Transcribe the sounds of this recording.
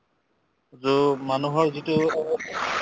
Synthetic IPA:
zomanuɦɔɹzitu

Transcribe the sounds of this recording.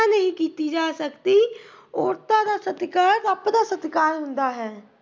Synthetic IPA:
anəɦĩːkiːt̪iːd͡ʒaːsəkt̪iː | oːɾt̪ãːd̪aːsət̪kaːɾapd̪aːsət̪kaːɾɦʊnd̪aːɦɛː

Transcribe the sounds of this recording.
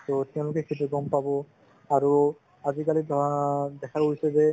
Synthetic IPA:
t̪ot̪ɛw̃lokekʰet̪eɡompabo | aɾo | ad͡ʑikalid̪ʱd̪ɛkʰaoɦisebe

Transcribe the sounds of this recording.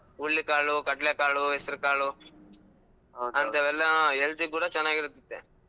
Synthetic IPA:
uɭːikaːɭukɐʈlekaːɭuɦesɐɾukaːɭu | ɐnd̪ɐʋɛlːɐelt̪ikuːɽɐt͡ʃɛnːaːɡiɾut̪ːid̪ːe

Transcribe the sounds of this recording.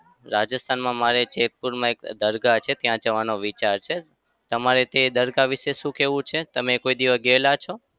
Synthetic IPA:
ɾad͡ʒəst̪ʰanmãmaɾet͡ʃek̚puɾmãekd̪əɾɡat͡ʃʰet̪jãd͡ʒəʋanoʋit͡ʃaɾt͡ʃʰe | t̪əmaɾet̪ed̪əɾɡaʋiʃeʃũkeʋũt͡ʃʰet̪əmẽkoid̪iʋəɡelat͡ʃʰo

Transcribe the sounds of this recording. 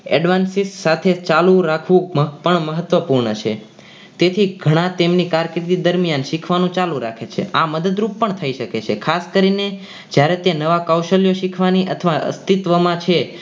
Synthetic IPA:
ɛ̰ɖʋansissat̪ʰet͡ʃalũɾakʰʋũməpəɳməɦət̪ʋəpuɾɳət͡ʃʰḛ | t̪et̪ʰiɡʱəɽ̃ãt̪emnikaɾkɾit̪id̪əɾmijanʃikʰʋanũt͡ʃalũɾakʰet͡ʃʰḛaməd̪əd̪ɾupːəɳt̪ʰəiʃəket͡ʃʰekʰaskəɾine | d͡ʒjaɾet̪enəʋakawʃəljoʃikʰʋaniʔət̪ʰʋaə̰st̪it̪ʋəmãt͡ʃʰe

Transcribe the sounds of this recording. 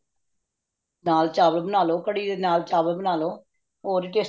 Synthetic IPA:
naːlt͡ʃaːbəlbənaːloːkəɽiːd̪eːnaːlt͡ʃaːbəlbənaːloː | oːɾiːʈeːs

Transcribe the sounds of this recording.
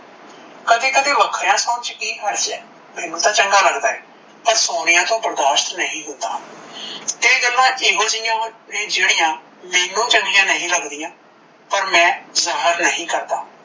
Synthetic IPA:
kəd̪eːkəd̪eːʋəkʰjãːsoːnt͡ʃkiːɦəɾt͡ʃɛː | mẽːnũːt̪ãːt͡ʃəŋɡaːləɡd̪aːɛː | pəɾsoːnɪjãːt̪õːpɾəd̪aːʃt̪nəɦĩːɦʊ̃nd̪a̰ː | t̪eːɡəlːãːʔiːʋəld͡ʒɪjãːnẽːd͡ʒeːɽ̃ɪjãː | meːnũːt͡ʃəŋɡɪjãːnəɦĩːləɡd̪ɪjãː | pəɾmɛ̃ːzəɦəɾnəɦĩːkəɾd̪aː

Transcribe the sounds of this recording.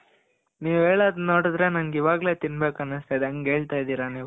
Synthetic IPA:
niːʋeːɭad̪no̞ːɽud̪ɾe̞nɐnɡiʋaːɡle̞ːt̪inbe̞ːkɐnɨst̪ajd̪eɐŋɡɦeːɭt̪aːjid̪iːɾaniːʋu

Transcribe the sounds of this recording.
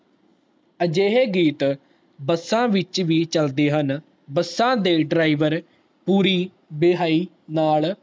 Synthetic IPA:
əd͡ʒeːɦeːɡiːt̪ | bəsːãːʋɪt͡ʃʋiːt͡ʃəld̪eːɦən | bəsːãːd̪eːɖɾaːiʋəɾ | puːɾiː | beɦaːiː | naːl

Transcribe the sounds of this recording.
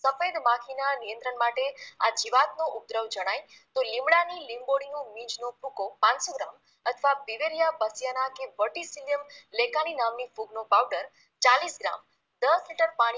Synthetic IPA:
səfed̪mãkʰinanijə̃nt̪ɾəɳmaʈea̰d͡ʒiʋat̪̚noʔʊb̚d̪ɾəʋd͡ʒəɽ̃aj | t̪olĩmɽanilimboɽijõmĩd͡ʒnopukopãnsoɡɾam | ət̪ʰəʋapiʋeɾjapəsjanakeʋəʈisilijəmlekaninamnifuɡnopawɖəɾ | t͡ʃalisɡɾa̰m | d̪əsliʈəɾpaɽ̃i

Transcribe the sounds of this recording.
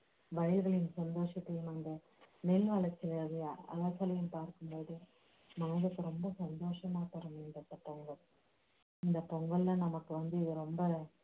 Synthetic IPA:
ʋɐɻɪɣɐɭɪjɯmsɐnd̪oːʂɐt̪ːɐjɯmɐnd̪ɐ | mɛlʋɐɭɐt͡ʃːɪlɐːðɐaɐ̰ʋɐsɐlɐjɯmpaːɾkɯmboːðɯ | mɐnɐðɯkːɯɾɔmbɐsɐnd̪oːʂɐmaːpɐɾɐmɛndɐt̪ːɐpɔŋɡɐ | ɪnd̪ɐpɔŋɡɐɭːɐ̃ːnɐmɐkːɯʋɐnd̪ɯɪðɯɾɔmbɐ

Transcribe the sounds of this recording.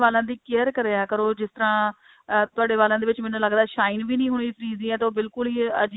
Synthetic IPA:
ʋaːlãːd̪iːkeəɾkəɾeːaːkəɾoːd͡ʒɪst̪əɾãː | t̪ʊaːɖeːʋaːlãːd̪eːʋɪt͡ʃmɛ̃ːnũːləɡd̪aːʃaːiːnʋiːnĩːɦʊɳ̃ifɾiːzĩːɛːt̪eoːbɪlkʊliːə̰d͡ʒ

